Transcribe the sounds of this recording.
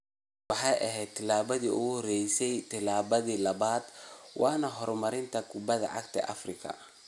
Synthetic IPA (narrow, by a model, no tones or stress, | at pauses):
wɑħɑjʔɐɦɛːd̪t̪ʰːɪlaːβɐðiːʊ̰ɣʊhɔrɛjsɛjt̪ʰɪlaːβɐðiːlɐβaːd̪wɑːnɐɦɔrmɐɾɪnt̪ʰɐkʰʊbɐðɐ̰ʕɑ̰ɡt̪ʰɐ̰ʔɐ̰frɪkʰɐ̰